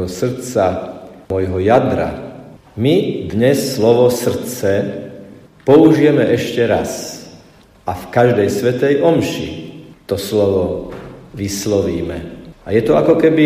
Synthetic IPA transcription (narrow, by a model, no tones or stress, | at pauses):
ɦɔsr̩t͡saɔjɦɔjad̪ɾa̰ | mid̪ɲɛsːlɔʋɔsr̩t͡sɛ | pɔuʒijɛmɛʔɛʃcɛɾas | afkaʒd̪ɛjsʋɛt̪ɛjʔɔmʃḭt̪ɔslɔʋɔ | ʋislɔʋiːmɛajɛt̪ɔakɔkɛbi